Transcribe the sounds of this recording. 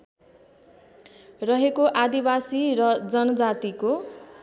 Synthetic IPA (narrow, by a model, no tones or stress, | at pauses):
rʌɦekoʔad̪ibasirʌd͡zʌnʌd͡zat̪iko